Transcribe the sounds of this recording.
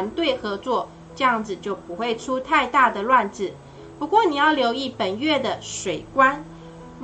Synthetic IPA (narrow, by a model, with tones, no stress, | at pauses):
nt̪we˥˩ɪxɤ˧˥t͡swɔ˥˨˩ | ʈ͡ʂɤ˥˧jɑ˥˩ŋd͡zɹ̩˨˩t͡ɕjo˥˩ʊpu˧˦xwe˥˩ɪʈ͡ʂʰu˥t̪ʰa˥˧ɪt̪a˥˩d̪ə˨lwa˥˧nt͡sɹ̩˨˩ | pu˧˥kwɔ˥˩ni˨˩jɑ˥˩ʊljo˧˥ʊi˥˩pə˨˩nɥɛ˥˩d̪ə˩ʂwe˨˩ɪkwa˦˥n